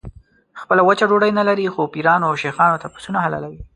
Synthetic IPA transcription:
xpəlawət͡ʃaɖoɽajnalaɾixopiɾɑnoawʃexɑnot̪apu̥sunaɦala̰lawi

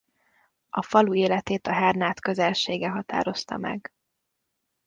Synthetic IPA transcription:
ɒfɒlueːlɛt̪eːt̪ɒɦɛrnaːt̪kø̞zɛlʃeːɡɛɦɒt̪a̰ːɾo̞st̪ɒ̰mɛ̰ɡ

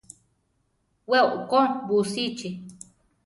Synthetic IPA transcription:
wewʔkonbusit͡ʃi

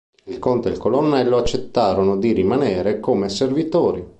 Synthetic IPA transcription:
ilkont̪eilkolonːɛlːoat͡ʃːet̪ːaːɾonod̪irimaneːɾekoːmeservit̪oːɾi

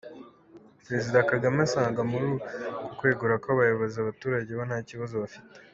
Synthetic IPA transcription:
pɾe̞zidakaɡamansaːŋɡamuɾukukwe̞ːɡuɾakoβajoβozeaβatuːɾaɟe̞βonaːciβazo̞βafi̥te

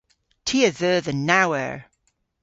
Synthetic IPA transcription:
tʰiəðəːðənawɛ̰ɹ

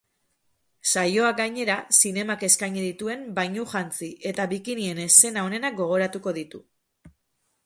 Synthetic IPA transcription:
sajo̞aɡajɲe̞ɾasine̞make̞skajɲiðit̪ue̞mbajɲuʝant͡siʔe̞t̪aβikinie̞ne̞se̞naone̞nak̚ɡo̞ɣ̞o̞ɾat̪uko̞ðit̪u

